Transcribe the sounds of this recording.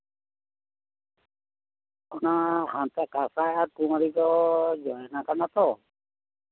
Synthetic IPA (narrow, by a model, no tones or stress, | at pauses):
ɔnahãnt̪akasaaɾkumaɾid̪ɔd͡ʒɔjɔnakanat̪ɔ